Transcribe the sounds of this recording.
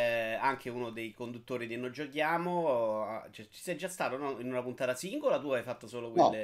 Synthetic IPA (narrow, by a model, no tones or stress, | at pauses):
aŋkʰeuːnod̪ejkond̪ut̪ːoːɾid̪enːojd͡ʒokjaːmo | t͡ʃɛt͡ʃi̥sɛjd͡ʒːast̪aːt̪onɔinunapunt̪aːt̪asiŋɡolat̪uajfat̪ːosoːlokwele